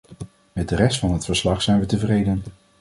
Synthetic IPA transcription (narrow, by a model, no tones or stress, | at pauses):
mɛt̚dərɛstfɑnɦətfəɹslɑχsɛjnʋətəvrejdən